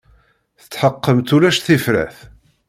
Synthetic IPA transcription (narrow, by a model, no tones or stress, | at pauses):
θə̥t͡sːħəqːəmt̪uɾæʃθifɾæ̰θ